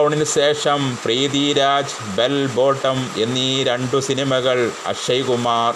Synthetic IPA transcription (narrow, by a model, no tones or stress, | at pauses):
ɳilɕeːʂɐmpriːðiɾaːd͡ʑ | belbo̞ːʈːɐme̞nːiɾe̞ɳɖusinimɐɣɐɭɐ̰ʂɐjɣumaːr